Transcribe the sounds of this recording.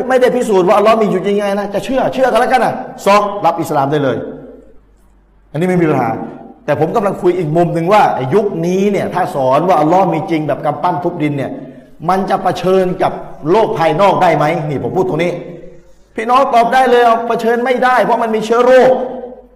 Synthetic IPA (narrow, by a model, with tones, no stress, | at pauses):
ma˥˩jda˥˩jpʰiː˦˥˩s̬uː˨˩t̪̚waː˥˩ʔa˧lːɔ˦˥miː˧juː˨˩t͡ɕi˧ŋːa˧jna˦˥t͡ɕa˨˩t͡ɕʰɯ˥˩ɐt͡ɕʰɯ˥˩ka˧lɛ˦˥ka˧nʔa˨˩sɔ˦˥˩k̚la˦˥p̚ʔi˨˩sa˧laː˨˧mdaː˥˩jlɤː˧j | ʔa˧niː˦˥mi˧pʰiː˧˩pa˧˩na̰ː˩˦nt̪ɛː˨˩pʰo˩˦mka˧mla˧ŋkʰu˧jʔiː˨˩k̚mo˧mnɯ˧ŋwaː˥˩ɛ˨˩ju˦˥k̚niː˦˥ni˥˩ɐt̪ʰaː˥˩sɔː˩˦nwaː˥˩ʔa˧lːɔ˦˥miː˧t͡ɕi˧ŋbɛː˨˩p̚ka˧mpa˥˩mt̪ʰu˦˥p̚di˧nːi˥˩ɐ | ma˧nt͡ɕa˨˩pa˧t͡ɕʰɤː˧nka˨˩p̚loː˥˩k̚pʰːaː˧jnɔː˥˩k̚daː˥˩jma˦˥jniː˧˩pʰo˩˦pʰuː˥˩t̪ːo˧ŋniː˦˥ | pʰiː˧˥˩nɔː˦˥ŋt̪ɔː˨˩p̚daː˥˩jlɤː˧jʔa˧˩wpʰa˧t͡ɕʰɤː˧nma˥˩jdaː˥˩jpʰɔ˦˥ma˧nmiː˧t͡ɕʰɯ˦˥ə˦ɾoː˥˩k̚